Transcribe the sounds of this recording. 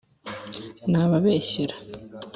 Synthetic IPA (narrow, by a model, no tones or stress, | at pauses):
naːβaβeːɕeɾḁ